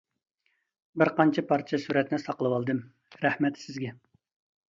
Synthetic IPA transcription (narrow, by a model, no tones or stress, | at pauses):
bɪɾqɑnt͡ʃʰɛpʰɑɾt͡ʃʰɛsuɾɛt̪nɪsɑqəlˠɨwɑlˠd̪ɨm | ɾæhmɛt̪sɪzɡʲɛ